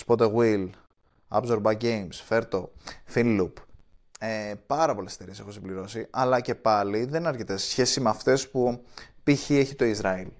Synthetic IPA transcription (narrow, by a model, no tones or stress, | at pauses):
spo̞t̪eɣwil | ɐ̰bzo̞ɾbɐɟe̞jmsfe̞ɾt̪o̞finlup | epɐɾɐpo̞le̞sst̪e̞ɾiese̞xosimbliɾo̞siɐlɐce̞pɐliðe̞nɐɾçet̪e̥sçe̞simeɐft̪e̞spupiçie̞çit̪o̞izɾɐil